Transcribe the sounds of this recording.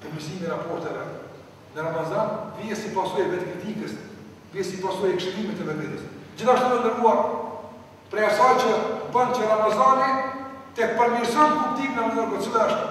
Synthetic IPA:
pəmisimɛɾapɔɾt̪ɛvɛ | nəɾamazanviɛsipasɔjɛvɛt̪kit̪ikəs | viɛsipasɔjɛkʃɛlimɛt̪ɛvɛnd̪ɛd̪əsd͡ʑiθaʃt̪ut̪ənd̪əɾɡuaɾ | pɾɛasajt͡ɕəbənt͡ʃəɾamazanit̪ɛpəɾmiɾsɔjnpubt̪iknamɔɾɡət̪səðɛaʃt̪u

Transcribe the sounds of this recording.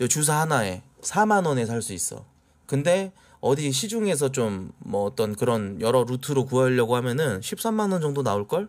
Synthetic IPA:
t͡ɕʌt͡ɕus̬ʰaɦanae̞sʰamanʌne̞sʰaɭs͈uis͈ʌ̰ | kɯnde̞ | ʌdiɕ̬ʰid͡ʑuŋe̞s̬ʰʌt͡ɕomːʌːt͈ʌnkɯɾʌnjʌɾʌɾutʰɯɾokuʌʎːʌɡohamjʌnɯnɕʰip̚s͈amːanʌnd͡ʑʌŋdonaoɭk͈ʌɭ

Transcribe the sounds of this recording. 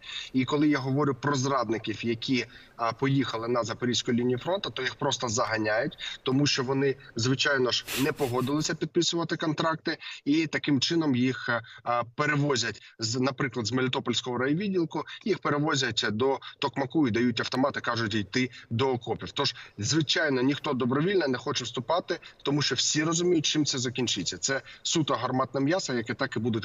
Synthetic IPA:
ikɔlˠɪjaɦɔʋɔɾʲʊpɾɔzrɑd̪nɪkʲiwjɐkʲʰi | pɔjixɐlˠɪnɐzɐpɔɾʲisʲkʊjlʲinʲijifɾɔnt̪ɐt̪ɔjixpɾɔst̪ɐzɐɦɐnʲajʊtʲt̪ɔmuʃt͡ʃɔʋɔnɪzʋɪt͡ʃɑjnɔʒnɛpɔɦɔd̪ɪlˠɪsʲɐpʲid̪̚pɪsʊʋɐt̪ɪkɔnt̪ɾɑk̚t̪ɪit̪ɐkɪmt͡ʃɪnɔmjix | peɾeʋɔzʲɐtʲznɐpɾɪklˠɐd̪zmelʲit̪ɔpɔlʲsʲkɔɦɔɾɐjiʋʲidʲilˠkʊjixpeɾeʋɔzʲɐtʲd̪ɔt̪ɔkmɐkuid̪ɐjutʲɐwt̪ɔmɑt̪ɪkɑʒʊtʲijt̪ɪd̪ɔːkɔpʲiwt̪ɔʒzʋɪt͡ʃɑjnɔnʲixt̪ɔd̪ɔbɾɔʋʲilʲnɛnɛxɔt͡ʃɛwst̪ʊpɑt̪ɪt̪ɔmuʃt͡ʃɔwsʲiɾɔzʊmʲijʊtʲt͡ʃɪmt̪sɛzɐkʲinʲt͡ʃɪt͡sʲːɐt̪sɛsut̪ɐɦɐrmɑt̪nɪmjɑsɐjɐkɛt̪ɑkɪbud̪ʊtʲ

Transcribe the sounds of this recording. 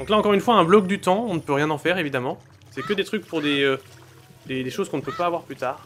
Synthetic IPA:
d̪ɔ̃klaɑ̃kɔʁynfwaɛ̃blɔk̚d̪yt̪ɑ̃ɔ̃nəpøʁjɛ̃nɑ̃fɛʁevid̪amɑ̃ | sɛkəd̪et̪χyk̚puʁd̪eø | d̪ed̪eʃozkɔ̃nəpøpaːvwaʁplyt̪aːʁ

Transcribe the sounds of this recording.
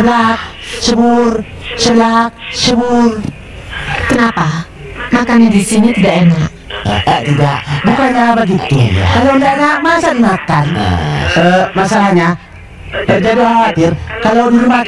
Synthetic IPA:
əblak̚ | ʃəbʊr | səblak̚ʃəbʊr | kənapa | makanɲadisinit̪idaʔenaʔ | ʔt̪ida̰ʔbukanɲabəɡit̪ukalandaʔenaʔmasadimakan | əmasalahɲa | t̪ərd͡ʒadiɦawat̪ɪrkalawdiɾuma

